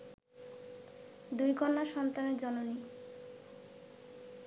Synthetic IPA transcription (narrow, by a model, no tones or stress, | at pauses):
d̪ujɡɔnːaʃɔnt̪aneɾd͡ʑɔnoni